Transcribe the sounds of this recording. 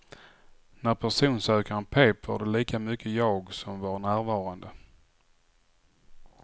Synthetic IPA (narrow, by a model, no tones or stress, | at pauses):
næɾpʰæʂuːnsøːkəənpʰeːpva̰ɖɛliːkamʏkʰːəjɑːɡsɔmvɑɾɳæːɾvɑːɾand̪ə